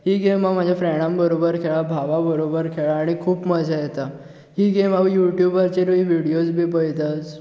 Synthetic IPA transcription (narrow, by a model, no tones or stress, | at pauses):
ɦiːɡemamad͡ʑʱjafɾɛɽãmbəɾobəɾkʰeɭabʱaʋabəɾobəɾkʰeɭaːɽ̃ikʰuːpməd͡ʑʱajet̪a | ɦiːɡemaʋijuʈjubəɾt͡ɕeɾiʋiɽijot͡sbʱiːp̬əjt̪ət͡s